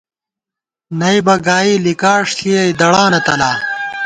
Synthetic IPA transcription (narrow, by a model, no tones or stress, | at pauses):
nɐjbɐɡaːiːlikaːʂt̪ʰiɐjd̪ɐɽaːnɐt̪ɐlaː